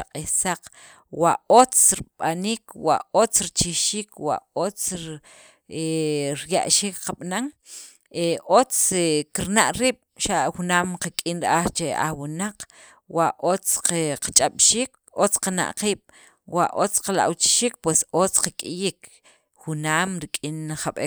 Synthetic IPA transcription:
aqʼihsaq | waot͡sɾiɓaniːkwa̰ʔot͡sɾit͡ʃiʃiːkwa̰ʔot͡s | eɾja̰ʔʃiːkqaɓ̥naŋ | eʔot͡skiɾnaʔɾiːɓ̥ʃaʔxunaːmqakʼinɾʔaχt͡ʃea̰χwunaq | waʔot͡sqeqat͡ʃʼaɓ̥ʃiːk | ot͡sqana̰ʔqiːɓ̥ | waʔot͡sqala̰ʔwt͡ʃi̥ʃiːk̚pwesot͡sqakʼijik | xunaːmɾikʼinχaɓe

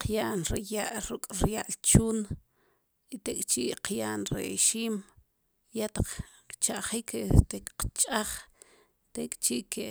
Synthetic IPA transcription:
qjaʔnɾijaʔɾukʼɾjaʔlt͡ʃuːn | it̪ekʼt͡ʃiʔqʰjaʔnɾḛʃiːm | jat̪aq͡χ | t͡ʃaʔχiːkʰt̪ekʼqt͡ʃʼaχ | t̪ekʼt͡ʃiʔkʰe

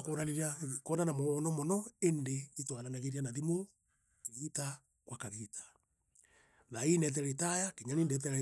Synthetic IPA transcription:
koɾaniɾiakɔnanamɔnɔmɔnɔendeitwananaɣeɾianaðimo | kiɣita | kwakaɣitḁ | nainɛt̬ɛɾetajakeɲanindɛt̬ɛɾɛ

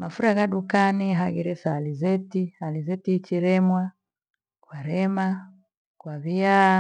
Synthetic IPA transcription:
mafuɾaɣaɗukaniɦaɡiɾɛsaːlizɛtihalizɛtit͡ʃiɾɛmwa | kwaɾɛma | kwaβia

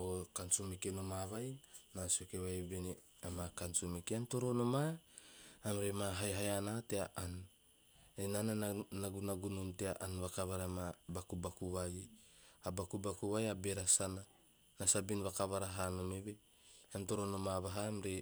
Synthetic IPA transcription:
okansumekenomaβajnasiokeβajβene | amakansumekeanto̞ɾo̞no̞maː | mɾemaɦajɦajanateaʔan | enananaɡunaɡunonteaʔanβakaβaɾamabakubakuβaj | abakubakuβajabe̞ɾasana | nasabinβakaβaɾaɦanomeβe | amto̞ɾo̞no̞maβaɦaːmɾe

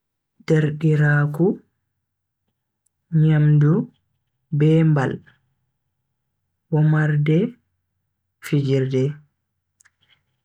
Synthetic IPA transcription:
d̥eɾɗiɾaːku | ɲamdu | bɛːmbal | wɔmaɾdɛ | fid͡ʒiɾdɛ

